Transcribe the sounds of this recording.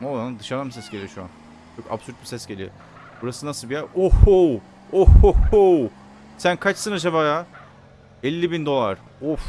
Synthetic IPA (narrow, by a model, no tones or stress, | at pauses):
olˠanad̪ɯʃaɾd̪anmbisɛsɟelʲijoʃua̰n | t͡ʃʰo̞ka̰bsyɾt̪̚bisɛsɡɟelʲijo̰ | b̥uɾasɯnasɯlˠbijaʔohu | ohhu | sænkʰat͡ʃsɯnad͡ʒaβaːja | ɛlʲːibind̪o̞lˠaɾ̥ | of